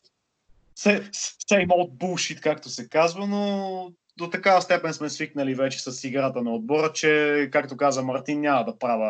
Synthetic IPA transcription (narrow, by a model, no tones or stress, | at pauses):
sɛssɛimoot̪̚bulˠʃit̪kakt̪osɛkazvəno | d̪ot̪ɐkavɐst̪ɛpɛnsmɛsviknəlivɛt͡ʃɛ̥sɐsiɡɾat̪ənɐod̪̚bɔɾət͡ʃɛkakt̪okazvəmɐɾt̪inːjamɐd̪ɐpɾavə